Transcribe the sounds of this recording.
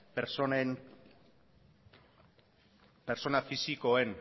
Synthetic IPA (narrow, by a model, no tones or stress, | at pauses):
peɾsen | peɾso̞nafisiko̞en